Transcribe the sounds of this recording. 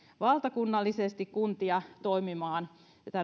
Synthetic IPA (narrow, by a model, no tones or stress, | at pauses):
ʋɑlt̪ɑkunːɑlːisest̪ikkunt̪iɑt̪oimimɑːn | t̪æ